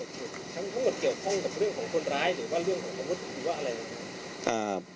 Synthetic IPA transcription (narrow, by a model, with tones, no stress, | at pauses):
kʰeː˧˩ | t͡ɕ̪ʰa˦˥nt̪ʰa˧˦˥ŋmo˨˩t̪̚ki˨˩əwkʰɔ˥˩ŋka˨˩p̚ɾɯ˥˩əŋkʰɔː˩˦ŋkʰo˧nɾaː˦˥jɾɯː˩˦waː˥˩ɾɯ˥˩əŋkʰɔː˩˦ŋpa˧˥u˦˥t̪̚ɾɯː˩˦waː˥˩ʔa˧ɾa˧jla˨˧˩ka˧˥˩ | ʔaː˨˩